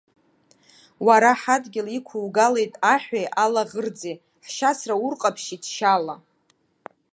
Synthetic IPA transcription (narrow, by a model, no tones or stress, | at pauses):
waɾaħadɡʲɪlikʷʰuwɡale̞jtʼaħʷᶣajʔalaʁərd͡zej | ħʃasraurqʼapʰʃidʰʃala